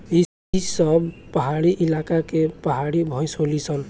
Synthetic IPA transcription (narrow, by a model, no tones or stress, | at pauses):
i | isʌbpʌɦaɽiʔilakakepʌɦaɽibʱʌj̃solit͡sʰʌn